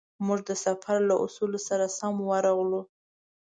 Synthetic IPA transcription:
muʐd̪əsafaɾlaʔʊ̰sulosaɾasamwaɾaɣlu

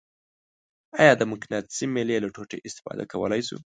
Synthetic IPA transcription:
ɑjɑd̪əmʊknat̪simelelaʈʰoʈḛʔɪst̪ɪ̥fɑ̰d̪a̰kawə̰lajsṵ

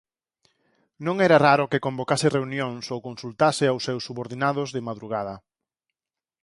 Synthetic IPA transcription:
nõŋɛɾaraɾʊkɪkombokasɪreunjoŋsowkonsult̪asɪawsːɛwsːuβoɾðinaðʊzðɪmaðɾuɣ̞að̞ɐ

